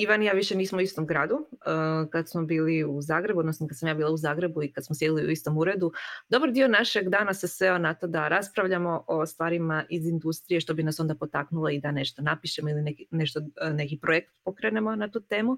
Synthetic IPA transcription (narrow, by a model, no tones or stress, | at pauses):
iʋanjaːʋiʃe̞niːsmouist̪omɡɾaːd̪uəkad̪smobiːliuzaːɡɾe̞buod̪nosnokad̪samjaːbiːlˠauzaːɡɾe̞buikad̪smosje̞d̪iliṵist̪o̞muɾe̞d̪ud̪o̞baɾd̪io̞naʃe̞ɡd̪aːnasesʋeonat̪o̞d̪aɾaspɾaʋʎamo̞ʔost̪ʋaːɾimaʔizind̪ust̪ɾije̞ʃt̪o̞binaso̞nd̪apo̞t̪aknulaid̪ane̞ʃt̪onapiʃemoilinekineʃt̪one̞kipɾojekt̪pokɾenemo̞nat̪uːt̪e̞ːmu